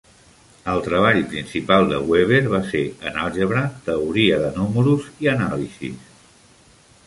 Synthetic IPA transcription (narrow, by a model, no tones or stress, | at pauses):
əlˠt̪ɾəβ̞aʎpɾinsipalˠd̪ə̰ɣweβ̞eɾβ̞aseə̰nalˠʒəβɾət̪əuɾiəðənuməɾuziənalizḭs